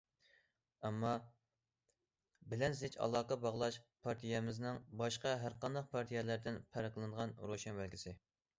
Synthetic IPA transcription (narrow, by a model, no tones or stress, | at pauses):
ɛmːɑ | bɪlɛnzɪt͡ʃʰɑ̰lˠɑːqɑbɑʁlˠɑʃpʰɑɾt̪ʰijɛmɪznɪŋbɑʃqɑɦæɾqɑnd̪ɑq̚pʰɑɾt̪ʰijɛlæɾd̪ɪnpʰæɾɨkʲlˠɨɴʁɑnɾoʃɛnbælkʲisɪ